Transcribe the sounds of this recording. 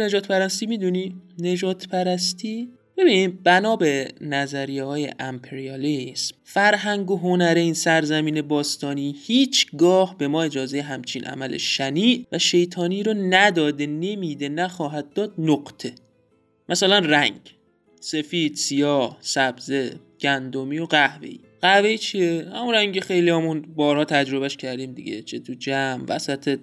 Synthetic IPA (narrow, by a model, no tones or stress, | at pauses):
ned͡ʒɒːt̪pæɾæst̪imiːd̪unine̞d͡ʒɒːt̪ʰpʰæɾæst̪ʰi | b̥e̞biːnibænɒːbenæzæɾijehɒːjḛʔæmpʰeɾiɒlismfæɾɦæŋɡoɦonæɾeiːnsæɾzæmiːne̞bɒːst̪ɒːniːhiːt͡ʃʰɡɒːhbe̞mɒːe̞d͡ʒɒːzejeɦæmt͡ʃʰinʔæ̰mælḛʃæniːʔvæʃe̞jt̪ʰɒːniːɾonæd̪ɒːd̪ene̞miːd̪e̞næxɒːɦæd̪ːɒːd̪̚noɢt̪ʰe̞ | mʔæsælænræŋɟ | se̞fiːd̪̥sijɒːhsæbze̞ | ɟ̥ænd̪omiːjoɢæhvḛḭ | ɢ̥æhve̞it͡ʃʰijehæ̰munɾæŋɟexe̞jliæmunbɒːɾhɒːt̪ʰæd͡ʒɾo̞βæʃcʰæɾd̪iːmd̪ḭɟḛt͡ʃʰet̪ʰud͡ʒæmvæ̰sæt̪ʰe